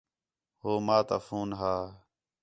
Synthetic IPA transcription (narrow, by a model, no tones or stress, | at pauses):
ɦoːmaːt̪aːfuːnɦaː